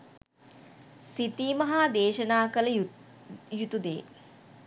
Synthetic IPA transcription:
sit̪iːmɐɦaːd̪eːʃənaːkələ | jut̪ud̪ḛː

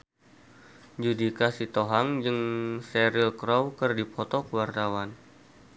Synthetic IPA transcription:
d͡ʒudikasit̪oɦaŋd͡ʒɨŋsɛɾilkɾɔwkərdipʰɔt̪ɔkuwart̪awan

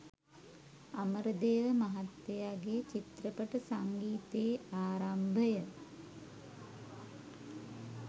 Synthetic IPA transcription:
aməɾəd̪eːʋəmaɦat̪ːejaɡet͡ʃit̪rəpəʈəsaŋɡiːt̪eːaːɾambʱəjə

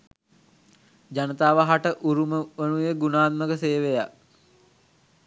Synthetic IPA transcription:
d͡ʒanət̪aːʋaɦaʈəʔuɾuməʋənujəɡunaːt̪̚məkəseːʋeja̰k

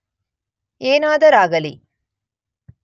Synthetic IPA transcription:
eːnaːd̪ɐɾaːɡɐlḭ

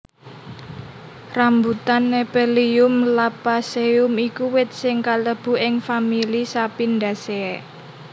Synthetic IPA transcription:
rambut̪anːepeliʊmlapaseʊmikuwɪt̪̚sɪŋkaləb̥ṳʔɪŋfamilisapinda̤seɛ

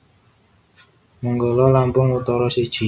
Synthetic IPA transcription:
muŋɡɔlɔlampʊŋut̪ɔɾɔsid̥ʒ̥i̤

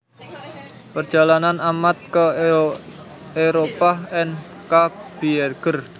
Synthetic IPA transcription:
pərdʒ̥a̤lananamat̪̚kə | eɾopaɛn | kab̥ierɡ̥ər

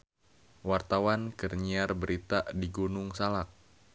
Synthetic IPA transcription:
wart̪awankərɲiarbəɾʔit̪adiɡunʊŋsalak̚

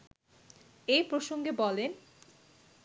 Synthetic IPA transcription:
ejpɾoʃoŋɡebɔlen

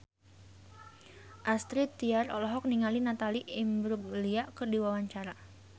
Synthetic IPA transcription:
ʔast̪ɾit̪iarɔ̰lɔɦɔk̚niŋalinat̪aliʔɪmbɾuɡ̚liaʔkərdiwawaɲt͡ʃaɾa

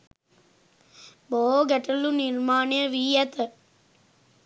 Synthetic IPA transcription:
boːɡɐʈːɐluniɾmaːnjɐʋiːjɐt̪ɐ

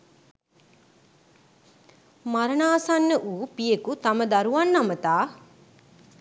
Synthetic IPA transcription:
mɐɾɐnaːsɐnːəʔuːpijekut̪ɐməd̪ɐɾuʋɐnːɐmət̪aː

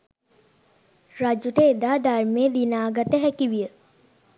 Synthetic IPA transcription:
ɾad͡ʒuʈed̪aːd̪aɾmeːd̪inaːɡɐt̪əɦɛkiʋijə

